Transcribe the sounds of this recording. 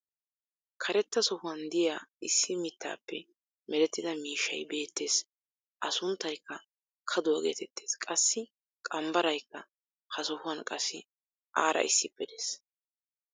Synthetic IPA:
kʰɐɾɛt̪ːɐsɔhʊwɐnd̪ɪjaːɪsːɪmɪt̪ʰːa̰ːpːɛ | mɛlɛt̪ːɪd̪ɐmiːʃːɐ̰jbe̞ːt̪ːe̞ːs | ʔɐsʊnt̪ːɐjkːɐ | kʰɐd̪ʊwɐɡe̞̰ːt̪ʰɛt̪ːeːskʼɐsːɪ | kʼɐmbɐɾɐjkːɐ | hɐsɔhʊwɐnkʼɐsːɪ | ʔaːɾʔɐ̰ʔɪ̰sːɪpːɛd̪eːs

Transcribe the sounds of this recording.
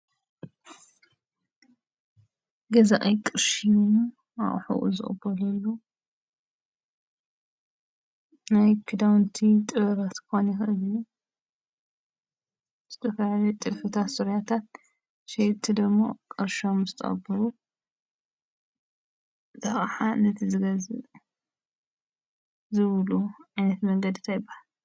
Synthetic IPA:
ɡɐzaʔɐjkʼɨɾʃijum | a̰ʔħṵʔṵzɨ̰χʼɨ̰bɐlɐlːu | najkʰɨd̪awnt̪ʰit̪ʼɨβɐɾat̪kʰɨxonjɪxʔɨlju | z̥ɨt̪ʰɐfaʕlit̪ʼɨfɨt̪ʰat̪sɨɾjat̪ʰat̪̚ | ʃet̪ʰːid̪ɨɡmːo̰kʼɐɾʃomzɨt̪ʰɐ̰xʼɐ̰bɐɾu | t̪ʰɐxʼħanɐt̪ʰizɨɡɐzɨ | zɨβluʕajnɐt̪mɐŋɡɐd̪it̪ʰajbahal

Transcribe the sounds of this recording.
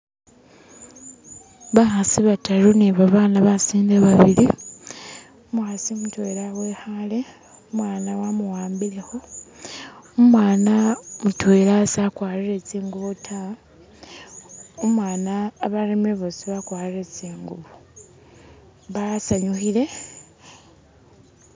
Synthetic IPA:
βaxasiβataluniβaβaːnaβasiːndeβaβilḭ | omwaːsimutwelawe̞ːhale | omwaːnawamuwaːmbilexo̞ | mwaːnamutweːlasakwaːɾiɾe̞t͡siːŋɡuβotʰa | omwaːnaːβalimeβosiβakwaːliɾe̞t͡siːŋɡuβu | βasaɲuxile̞

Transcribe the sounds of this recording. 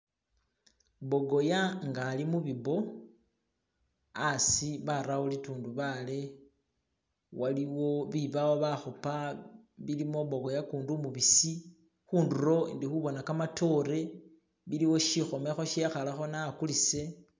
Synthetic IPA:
βo̞ɡo̞jaŋɡalimuβiβo̞ | asiβaɾawulituːnduβale̞ | waliwo̞βiβawoβaxopa | βilimo̞βo̞ɡo̞jakuːndumuβisi | xuːndurɾo̞ḭndixuβo̞nakamatʰo̞ɾe̞ | βiliwo̞ʃixo̞me̞xo̞ʃexalaxo̞nakulise̞

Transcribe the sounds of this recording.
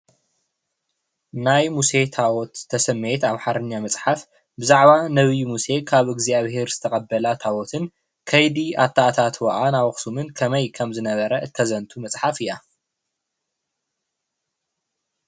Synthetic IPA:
najmuse̞t̪ʰawɔt̪ʰːɐsɐmːet̪aβħaɾɨɲːamɐt͡sʼħaf | bɨzaʕβanɐβijmuse̞kʰaβɨɡzaβhe̞ɾz̥ɨt̪ʰɐχʼɐbːɐlat̪ʰawɔt̪ʰɨn | kʰɐjd̪iʔa̰t̪ʰːaʔt̪ʰat̪wɐʔanawɐxsumɨnkʰɐmɐjkʰɐmzɨnɐβɐɾɐɨt̪ʰːɐzɐnt̪ʰumɐt͡sʼħafɨjːa

